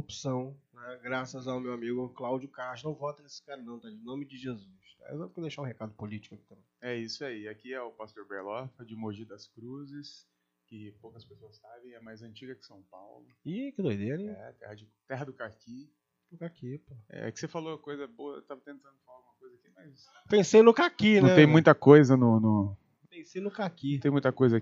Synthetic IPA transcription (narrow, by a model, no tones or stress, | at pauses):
upsɐ̃w̃nɛɡɾasɐzawmewamiɡʊklawd͡ʒʊkaɾʒʊnɐ̃w̃vɔt̪ɐnesɪ̥kaɾɐnɐ̃w̃t̪alinõmɪd͡ʒɪʒezusa̰ḛzɐ̃kɛd̪ejʃaɾũɦekad̪ʊpolit͡ʃɪ̥kʊaki̥t̪ɐ̃mẽj̃ɛisʊaiakiɛʊpast̪oɾbeɾlɔfɐd͡ʒɪmoʒid̪ɐskɾuzɪs | kɪpowkɐspesoɐsabẽj̃ɛmajzɐ̃nt͡ʃiɡɐkɪ̥sɐ̃w̃pa̰wlʊikɪd̪ojd̪eɾẽjɛt̪ɛ̰hɐd͡ʒɪt̪ɛɦɐd̪ʊkaki | ʊkakipoɛ̰ɛ̰kɪ̥sefalokojzɐboɐ̰t̪avɐt̪ẽnt̪ɐ̃nd̪ʊfalaɐɡũmɐkojzakimɐs | pẽsejnʊkakinũɛ̃t̪ẽj̃mũj̃t̪ɐkojzɐnʊnʊ | pẽsejnʊkakĩt̪ẽmũj̃t̪ɐkojzɐa